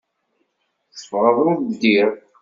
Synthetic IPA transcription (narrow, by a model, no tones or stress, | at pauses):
θəfʁəðˤʊðd̪iɾ